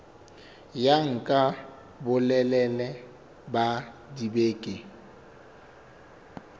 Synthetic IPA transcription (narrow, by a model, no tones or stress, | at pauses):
jaŋ̩kʼa | bʊlɛlɛlɛ | badibeːkʼɪ